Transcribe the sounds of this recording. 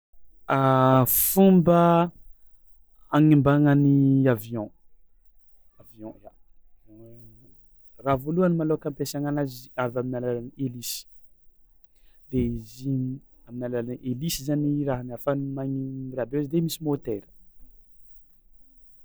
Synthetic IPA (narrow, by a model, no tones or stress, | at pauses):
afumbə | aŋimbaŋəniaviɔ̃ | aviɔ̃ja | vɔ̃ | ravoluanimalokãmpesaŋanaziavaminalalanielisi̥ | d̪̥eiziaminalalaniʔelisizaniraɦəmiafanmaŋirabeizid̪emisimot̪eɾə̥